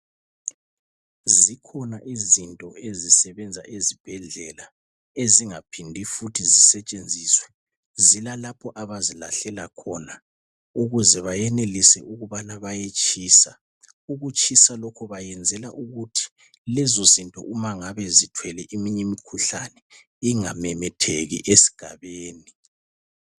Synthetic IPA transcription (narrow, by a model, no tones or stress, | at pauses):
zikʰɔnaʔizintʼɔezisɛβɛnd͡zʱa̰ʔezib̥ʱɛɮɛla | eziŋapʰindʱifutʰizisɛt͡ʃʼend͡zʱiːswɛ | zilalapʰɔʔaβazila̰ɬɛlakʰɔna | uɣuzɛβajɛnelisɛ̰ʔuɣuβanaβajet͡ʃʼiːsa | uɣut͡ʃʼʰisalɔkʰɔβajɛnd͡zʱɛlaʔuɣutʰi̥ | lɛzozintʼɔ̰ʔumaŋaβɛzitʰwɛlɛʔimiɲɛmikʰuɬanɛ | iŋamɛmɛtʰeɣḭʔesi̥ɡ̥ʱa̰βeːni